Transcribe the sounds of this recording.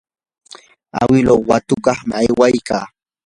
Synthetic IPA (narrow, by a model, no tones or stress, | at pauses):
a̰wɪlowwat̪ʊkɑχmɪajwajkaː